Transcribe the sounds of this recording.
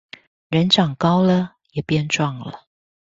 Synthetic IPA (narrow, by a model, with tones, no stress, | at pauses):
ɻə˨˧˦nʈ͡ʂɑ˨˩ŋkɑ˥ʊlə˨ | jɛ˨˩pjɛ˥˧nʈ͡ʂwɑ˥˩ŋlə̰˨